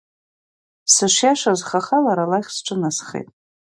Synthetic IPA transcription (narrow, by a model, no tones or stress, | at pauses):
sɨʃʷjaʂazχaχalaɾalaχʲsʈ͡ʂʷʼɨnasχḛtʼ